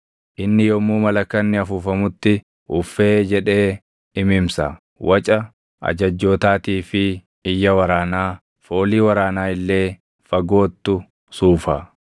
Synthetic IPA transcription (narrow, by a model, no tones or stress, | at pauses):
ʔɪnːɪjɔmuːmɐlɐkːɐnːɪɐfuːfɐmʊt̪ːɪ | ʔʊfːe̞ːd͡ʒɛᶑe̞ː | ɪmɪmsɐ̰ | wɐt͡ʃʼɐ | ɐ̰d͡ʒɐd͡ʒːo̞ːt̪aːt̪iːfɪ | ɪjːɐwɐɾaːnaː | fo̞ːliːwɐɾaːnaːɪlːe̞ː | fɐɡo̞ːt̪ːʊ | suːfɐ̰